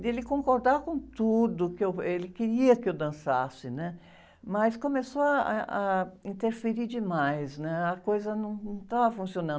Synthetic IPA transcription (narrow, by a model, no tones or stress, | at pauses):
d̪elɪkõŋkoɾd̪aɾkõt̪ud̪ʊkɪewelɪkeɾiɐkɪewd̪ɐ̃sa̰sɪnɛ | mɐskõmesoɐaɐĩnt̪eɾfeɾid͡ʒɪmajsnɛɐkojzɐnɐ̃w̃ñt̪avɐfũsionɐ̃